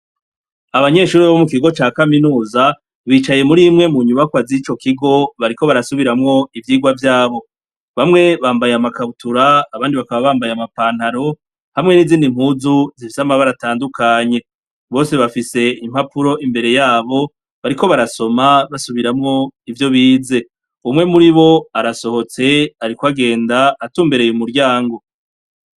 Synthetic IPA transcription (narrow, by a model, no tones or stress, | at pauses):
aβaɲe̞ːʃuːɾiβomukiɡo̞t͡ʃaːkaminuːza | βiːt͡ʃaje̞muɾimŋe̞muɲuβakwazit͡ʃo̞kiɡo̞βaɾiko̞βaɾasuβiɾamŋo̞ivjiːɡwavjaːβo̞ | βamŋe̞βaːmbajamakaβutuɾaːβaːndiβakaβaβaːmbajamapaːn̥haɾo̞ | hamŋe̞niːziːndim̥huːzuzifisamaβaɾataːndukʰaɲe̞ | βo̞ːse̞βafise̞im̥hapuɾo̞ʔimbe̞ɾe̞jaːβo̞ | βaɾiko̞βaɾaso̞maβasuβiɾamŋo̞ivjo̞βiːze̞ | umŋe̞muɾiβo̞aɾaso̞ho̞t͡se̞aɾikwaɡe̞ːndaːtuːmbe̞ɾe̞jumuɾɟaːŋɡo̞